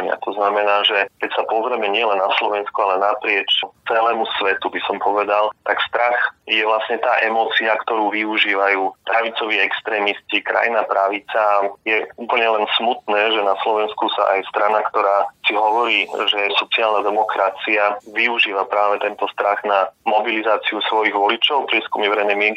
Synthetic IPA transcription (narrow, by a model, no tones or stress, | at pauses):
ɲɪa̰t̪ʰɔznamɛnaːʒɛkɛcsapɔzɾɛmɛɲɪɛlɛnːaslɔʋɛnskualɛnapɾɪɛt͡ʃt͡sɛlɛːmusʋɛt̪ubisɔmpʰɔʋɛd̪alt̪akst̪ɾaxjɛʋlasɲɛt̪aːʔɛmɔːt͡siakt̪ɔɾuːʋiuʒiːʋajuːpɾaʋit͡sɔʋiːɛkst̪ɾɛːmiscikɾa̰jinapɾaʋit͡sajɛuːpl̩ɲɛlɛnsmut̪̚nɛːʒɛnaslɔʋɛnskusa̰ʔajst̪ɾanakt̪ɔɾaːsiɦɔʋɔɾiːʒɛsɔt͡siaːlnad̪ɛmɔkɾat͡siaʋiuʒiːʋapɾaːʋɛt̪ɛnt̪ɔst̪ɾaɣnamɔbilizaːt͡siusʋɔjiɣʋɔlit͡ʃɔʊpɾɪɛskumiʋɛɾɛjnɛjmɪɛŋki